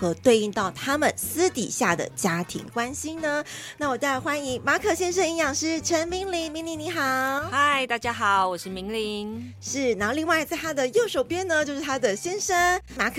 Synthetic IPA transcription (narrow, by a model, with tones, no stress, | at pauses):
xɤ˧˥t̪we˥˧ɪi˥˧t̪ɑ˥˩ʊt̪ʰa˥mə˨nsɹ̩˥t̪ḭ˨˩ɕja˥˩d̪ə̰˩t͡ɕja˥t̪ʰḭ˧˥ŋkwa˥nɕi˥ŋnə˧na˥˩wɔ˨˩t̪xwa˥ni˧˥ŋma˧˥kʰɤ˨˩ɕjɛ˥nʂ̬ə˥ni˧˥ŋjɑ˨˩ŋʂɻ̩˥˧ʈ͡ʂʰə˧˥nmi˧˥ŋli˧˥ŋmi˧˥ŋli˧˥ŋni˧˥xɑ˨˩˦ʊxa˥˧˩ɪt̪a˥˩t͡ɕja˥xɑ˨˩˦ʊwɔ˨˩ʂɻ̩˥˩mi˧˥ŋli˧˦ŋ | ʂɻ̩˥˩n˨˧˥xli˥˧ŋwa˥˩ɪ˨˩t͡sa˥˧ɪt̪ʰa˥d̪ə˨jo˥˩ʊʂo˨˩ʊpjɛ˥nnə˧t͡ɕjʊʂɻ̩˥˩t̪ʰa˥d̪ə˨ɕjɛ˥nʂə˧ŋma˧˥kʰ